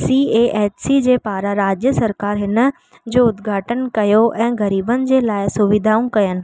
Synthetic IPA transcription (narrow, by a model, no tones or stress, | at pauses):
sieːʔeːt͡ɕsid͡ʑeːpaːɾaɾaːd͡ʑjəsɐɾkaːɾɦɪnə̆ | d͡ʑoːʊd̪ɡʱaːʈənkɐjoʔɛ̃ːɡɐɾiːbənɪ̆d͡ʑeːlaːɪsʊʋɪd̪ʱaːũkɐjənɪ̆